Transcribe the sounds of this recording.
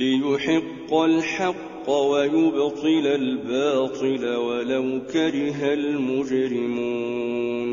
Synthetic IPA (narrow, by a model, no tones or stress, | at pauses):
lɪjʊħɪqːalħɑqːɑwajʊbt̪ˤɨlalbɑːt̪ˤɨlawalawkaɾɪɦalmʊd͡ʒɾɪmuːn